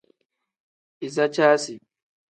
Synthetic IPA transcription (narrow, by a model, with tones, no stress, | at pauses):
ʔɪ˨za˦t͡ʃaː˦si˨